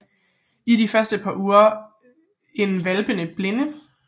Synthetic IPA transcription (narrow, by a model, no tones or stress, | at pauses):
idifɶɐsd̥əpʰɑ̈uːɐ | e̝nʋælb̥ənəb̥le̝nə